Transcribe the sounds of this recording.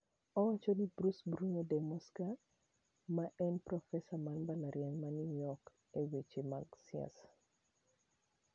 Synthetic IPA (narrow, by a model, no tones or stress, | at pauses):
ɔwat͡ʃonibɾusbɾunodɛmɔska | maʔɛnpɾɔfɛsamanbalaɾjanmaninɔk | ewet͡ʃema̰ɡsja̰s